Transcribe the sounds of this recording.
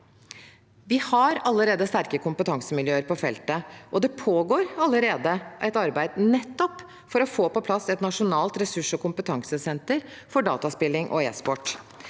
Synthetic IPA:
ʋɪhɑɾɑlːəɾeːd̪əst̪æɾkəkʰʊmpət̪ʰɑŋsəmɪljøːəɾpɔfɛ̰lt̪əʔɔd̪ɛpʰoːɡoːɾɑlːəɾeːd̪əʔæɪt̪ɑɾbæɪd̪nɛt̪ːɔp | fɔɾɔfoːpɔpʰlɑsːɛt̪nɑʂʊnɑːlt̪ɾɛsʉʂɔkʊmpət̪ʰɑŋsəsɛnt̪əɾ | fɔɖɑ̰ːt̪ɑspɪlːɪŋʔɔ̰eːspɔʈː

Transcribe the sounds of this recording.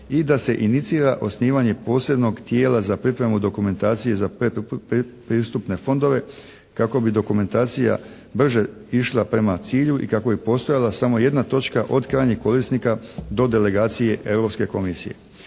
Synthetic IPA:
id̪ase̞ʔinit̪siːɾaʔo̞sniːʋaɲe̞po̞ːse̞bno̞ɡt̪je̞ːlazapɾipɾe̞mud̪o̞kume̞nt̪aːt̪sije̞zapeppɾiːst̪upne̞fo̞nd̪o̞ʋe̞ | kako̞bid̪o̞kume̞nt̪aːt̪sija̰ | br̩ʒe̞ | iʃlˠapɾe̞mat̪siːʎuʔḭkako̞bipo̞ːst̪o̞jalasamo̞je̞d̪nat̪o̞t͡ʃkaʔo̞d̪kɾaːjɲiko̞ɾisnikad̪o̞d̪e̞le̞ɡaːt̪sije̞ʔe̞vɾo̞pske̞ko̞misḭjḛ

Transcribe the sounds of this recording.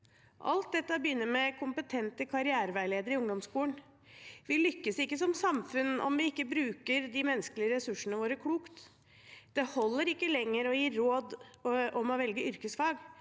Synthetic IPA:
ʔɑ̰lt̪̚d̪ɛt̪ːəbəjʏnːəɾmɛkʰʊmpət̪ʰɛnt̪əkʰɑɾɪæːɾəʋæɪɭeːd̪əɾɪʊŋd̪ɔmskuːən | ʋɪlʏkːəsɪkːəsɔmsɑmfʉnɔ̰mʋɪɪkːəbɾʉːkəɾd̪ɪmɛnːəskəlɪəɾɛsʉʂːənəʋoːɾəkʰluːkt̪ | d̪̥ɛhɔlːəɾɪkːəlɛŋːəɾɔjiːɾoːd̪ʔɔmɔʋɛlɡəʏɾkəsfɑːɡ

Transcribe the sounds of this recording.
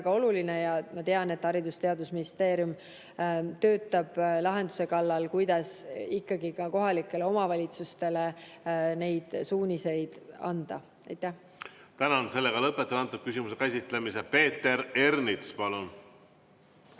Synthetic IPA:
væɡ̥ɑo̞luline̞jɑmɑt̪e̞ɑne̞t̪ːˑɑɾid̪ust̪e̞ɑd̪usminist̪e̞ːɾjum | t̪ø̞ːt̪ˑːɑb̥lɑɦe̞nd̪̥use̞kɑlːɑlkujd̪ɑsikːɑɡ̥ikɑko̞ɦɑlikːˑe̞le̞o̞mɑvɑlʲit̪sust̪e̞le̞ne̞jd̪̥suːnʲise̞jd̪̥ɑ̰nd̪̥ɑ | ɑ̰jt̪ːˑæh | t̪ænɑnse̞lːeɡ̥ɑlɤpːˑet̪ːˑelɑnt̪ːˑud̪̥̚kysimusekæsʲit̪lemisepe̞ːt̪ːˑe̞ɾe̞rnit̪spɑlun

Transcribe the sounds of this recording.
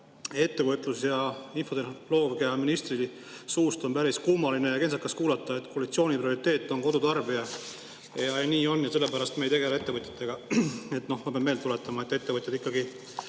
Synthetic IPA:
e̞t̪ːe̞vɤt̪ːˑlusjɑinfo̞t̪elo̞ːvɡ̥iɑminist̪rili | suːst̪o̞npæɾiskumɑline̞jɑke̞nsɑkːɑskuːlɑt̪ˑːɑe̞t̪kʰoɑlit̪sio̞ːnipɾio̞ɾit̪ːˑe̞ːt̪ˑːo̞nko̞d̪ut̪ɑrbiɑ | jɑniːo̞nːjɑse̞lːe̞pæɾɑst̪me̞jt̪e̞ɡelee̞t̪ːe̞vɤt̪ʲˑjɑ̥t̪ːˑe̞ɡ̥ɑe̞t̪ːˑno̞hmɑpeɑmːe̞ːlt̪ule̞t̪ːˑɑmɑe̞t̪ːˑe̞t̪ːe̞vɤt̪jɑd̪ikːɑɡi

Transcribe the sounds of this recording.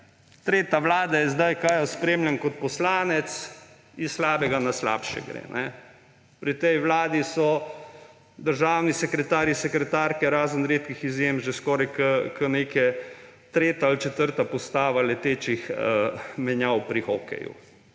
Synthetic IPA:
t̪ɾeːt̪aʋlaːd̪ajɛzd̪ajkajɔspɾeːmljankɔt̪̚pɔslaːnɛt̪s | islaːbɛɡanasla̰ːpʃɛ̰ɡɾḛnʔɛ̰ | pɾit̪ɛjʋlaːd̪isɔ | d̪əɾʒaːwnisɛkɾɛt̪aːɾjisɛkɾɛt̪aːɾkɛɾaːzənɾeːt̪kixizjemʒɛskɔːɾajkəkənekɛ | t̪ɾeːt̪aːlt͡ʃɛt̪əɾt̪apɔst̪aːʋalɛt̪eːt͡ʃixəmɛnjawpɾixɔkɛ̰jṵ

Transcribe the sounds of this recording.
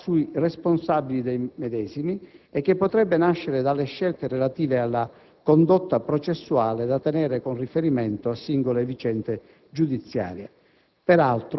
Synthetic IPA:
suiresponsabilid̪ejmɛd̪ɛːzimiɛk̟ːepːot̪ɾɛbːenaʃːeɾed̪alːeʃːɛlt̪erelat̪iːvealːa | kond̪ot̪ːapɾot͡ʃesːuaːled̪at̪enɛːɾekonrifeɾimɛnt̪oasːiŋɡolevit͡ʃɛnt̪e | d͡ʒud̪it̪sːja̰ːɾje | pɛɾalt̪ɾ

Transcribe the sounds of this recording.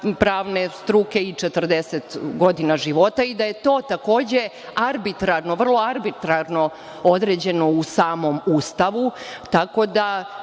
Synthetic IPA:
pɾaːʋne̞st̪ɾukeit͡ʂet̪r̩d̪eset̪ɡo̞d̪inaʒiʋo̞t̪aid̪aje̞t̪o̞ːt̪ako̞ːd͡ʑe | aɾbit̪ɾaɾnoʋr̩lˠo̞aɾbit̪ɾaɾno | o̞d̪ɾeːd͡ʑe̞no̞usaːmo̞muːst̪aʋut̪ako̞d̪a

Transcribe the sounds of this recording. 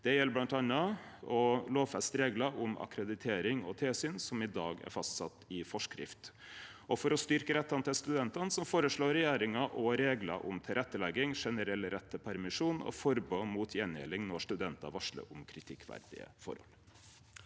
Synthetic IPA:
d̪̥ɛjɛlːblɑnt̪ɑnːɑ | ɔloːʋfɛst̪ɾeːɡlɑʔʊmɑ̰kɾɛd̪ɪt̪ʰeːɾɪŋɔ̰t̪ʰeːsyːnsɔmɪd̪ɑːɡæ̰ɾfɑst̪sɑt̪ːɪfɔʂkɾɪ̰ft̪ | ʔɔfɔɾɔst̪ʏɾkəɾɛt̪ːɑnt̪ʰɪlst̪ʉd̪ɛnt̪ɑnsɔmfoːɾəʂɭoːɾɛjeːɾɪŋɑʔɔɾeːɡlɑ̰ʔʊmt̪ʰɪlɾɛt̪ːəlɛɡːɪŋʂɛnəɾɛlɾɛt̪ʰːəpʰæɾmɪʂuːnɔ̰fɔɾbomuːt̪ʰjɛnɛ̰ːlɪŋnɔʂt̪ʉd̪ɛnt̪ɑʋɑʂɭə̰ʊmkʰɾɪt̪ʰɪkʰːʋæ̰ɾd̪ɪ̰ə̰fɔ̰ɾhɔ̰l

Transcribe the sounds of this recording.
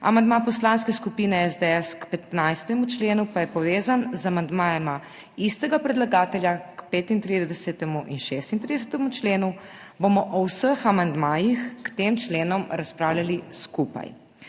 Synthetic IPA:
a̰mand̪mapɔslanskɛskupiːnɛɛzd̪ɛɛskpɛt̪najst̪ɛmut͡ʃleːnupajɛpɔʋeːzanzamand̪maːjɛma | ist̪ɛɡapɾɛd̪laɡaːt̪ɛljakpeːt̪int̪ɾid̪d̪ɛsɛt̪ɛmuʔinʃest̪int̪ɾid̪ɛsɛt̪ɛmut͡ʃleːnu | bomɔʔɔwsəxamand̪maːjixkt̪eːmt͡ʃleːnɔmɾaspɾaːwljaliskupa̰j

